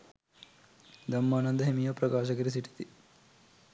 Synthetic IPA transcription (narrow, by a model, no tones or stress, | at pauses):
d̪ɐmːaːnɐnd̪ɐɦemijɐpɾɐkaːʃɐkɐɾis̬iʈi̥t̪i